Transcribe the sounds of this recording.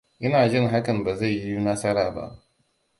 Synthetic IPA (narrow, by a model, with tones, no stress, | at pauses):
ʔɪ˦naː˨d͡ʒɪ˦ŋɦa˦kɐ˨mba˨za˦˨jji˦u˦nɐ˦sɐ˦ɾaː˨ba̰˦ʔ